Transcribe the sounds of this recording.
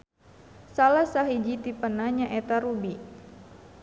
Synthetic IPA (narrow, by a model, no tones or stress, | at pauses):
salasaɦid͡ʒit̪ipənaɲaʔɛt̪aɾubi